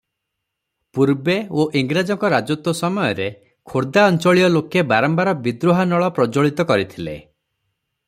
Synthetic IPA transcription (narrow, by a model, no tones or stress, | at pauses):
puɾbeoʔiŋɡɾad͡ʒɔŋkɔɾad͡ʒot̪wɔsɔmɔjɔɾe | kʰoɾd̪aɔnt͡ʃɔɭijɔlokebaɾɔmbaɾɔbid̪ɾoɦanɔɭɔpɾɔd͡ʒoɭit̪ɔkɔɾit̪ʰilḛ